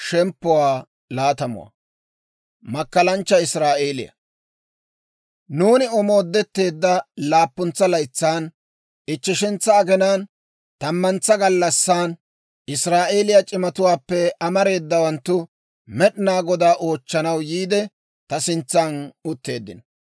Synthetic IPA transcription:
ʃɛmpːʊwaː | laːt̪ɐmʊ̰wa̰ | mɐkːɐlɐnt͡ʃːɐɪsɾaːʔeːlɪ̰jɐ̰ | nuːnɪɔmo̞ːd̪ːɛt̪ːe̞ːd̪ːɐlaːpːʊnt͡sːɐlɐjt͡sːaːn | ʔɪt͡ʃːɪʃɪnt͡sːɐːɡɛnaːn | t̪ɐmːɐnt͡sːɐɡɐlːɐsːaːn | ɪsɾaːʔe̞ːlɪjɐt͡ʃʼɪmɐt̪ʊwaːpːɛɐmɐɾe̞ːd̪ːɐwɐnt̪ːʊ | mɛɗɪnaːɡɔd̪aːʔo̞ːt͡ʃːɐnɐwjiːd̪ɛ | t̪ɐsɪnt͡sːaːnʊt̪ːe̞ːd̪ːɪnɔ

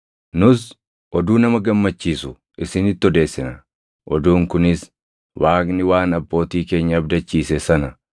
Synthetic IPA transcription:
nʊs | ʔɔd̪uːnɐmɐɡɐmːɐt͡ʃːiːsʊ | ʔɪsɪnɪt̪ːɔd̪e̞ːsːɪnɐ | ʔɔd̪uːŋkʊnɪs | waːknɪwaːnɐbːo̞ːt̪iːke̞ːɲːɐːbd̪ɐt͡ʃːiːsɛsɐnɐ

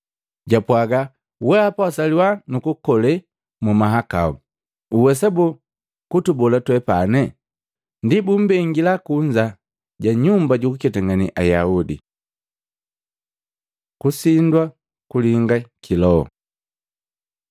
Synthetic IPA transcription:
ɟapwaɡa | wɛapasaliwanukukɔlɛ | mumaɦaka̰u | uwɛs̬abu | kutubɔlatwɛpanɛ | ndibum̩bɛŋɡilakuɲd͡ʒa | ɟaɲumbaɟukukɛtaŋɡanḭʔajaudḭ | kusindwa | kuliŋɡakʰilɔɔ̰

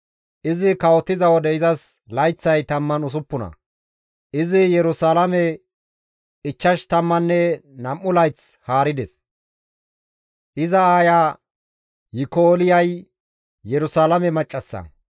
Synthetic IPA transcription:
ʔɪzɪkɐwɔt̪ːɪzɐwɔd̪ɛɪzɐs | lɐjt͡sːɐjt̪ɐmːɐnʊs̬ʊpːʊnɐ̰ | ʔɪzɪjɛɾʊsaːlɐmɛ | ɪt͡ʃːɐʃt̪ɐmːɐnːɛnɐmːʊlɐjt͡shaːɾɪd̪ɛs | ʔɪzɐaːjaː | jɪkoːlɪjɐj | jɛɾʊsaːlɐmɛmɐt͡ʃʼːɐsːɐ̰

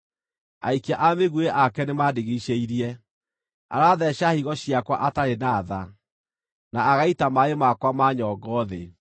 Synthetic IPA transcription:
a̰ikiaʔameɣueʔakɛnemadeɣeɕeiɾiɛ | a̰ɾaðɛɕahiɣɔɕiakwa̰ʔataɾenaːða̰ | naːɣaitamaemakwamaɲɔɡɔːðe

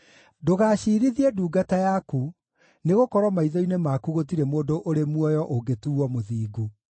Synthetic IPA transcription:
doɣaːɕiɾiðiɛduːɡatajaku | neɣokɔɾwɔmaiðɔinemakuɣotiɾemoːdoʔoɾemwɔjɔʔoɡetuɔmoðiːɡu

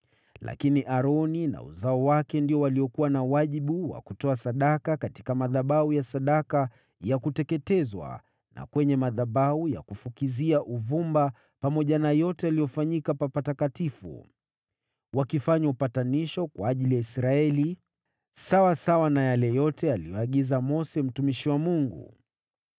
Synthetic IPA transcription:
lʔa̰kiniʔaɾɔnina̰ṵzaɔwakɛndiɔwaliɔkuwanawaʄiɓuwa̰kutɔasaɗakakati̥kamaðaɓaujasaɗaka | jakutɛkɛtɛzwa̰ | na̰kwɛɲɛmaðaɓauja̰kufukiziaʔuvumba | pamɔʄanajɔtɛalijɔfaɲikapapatakatifṵ | wakifaɲaupataniʃɔkwaːʄilijaisɾaɛli | sawasawanajalɛjɔtɛalijɔaɠizamɔsɛm̩tumiʃiwamuŋɡṵ

